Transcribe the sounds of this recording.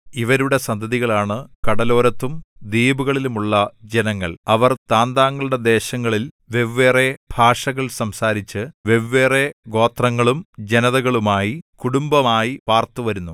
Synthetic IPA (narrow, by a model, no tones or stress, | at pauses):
iʋɐɾuɽe̞sɐnd̪ʱɐðiɣɐɭaːɳɨkɐɽɐlo̞ːɾɐt̪ːumd̪iːbuɣɐɭilumuɭːɐd͡ʑenɐŋːɐɭɐʋɐrt̪aːnd̪aːŋːɐɭuɽe̞d̪e̞ːɕɐŋːɐɭil | ʋe̞ʋːe̞ːre̞bʱaːʂɐɣɐɭsɐmsaːɾit͡ɕːɨʋeʋːe̞ːre̞ɡo̞ːt̪rɐŋːɐɭumd͡ʑenɐðɐɣɐɭumaːjikuɽumbɐmaːjipaːrt̪uʋɐɾunːu